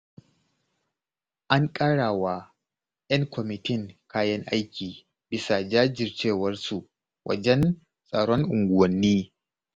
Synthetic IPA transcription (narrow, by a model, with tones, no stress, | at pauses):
ʔa˦ŋkʼa˦ɽaː˨waː˨ | jɐ˦ŋkʷʰɔ˨mɪ˨tɪ˦ŋkaː˦jɐ˦ŋʔa˦jkʲiː˨ | bɪ˨˦sa˨d͡ʒaː˦d͡ʒɪ˨rt͡ʃeː˦˨wɐ˦rsu˨ʔ | wʔɐ̰˨d͡ʒɛ˦n | sʼaː˨ɽɔ˦ŋʔʊ˨ŋɡʷʊ˨wɐ˨nːiː˦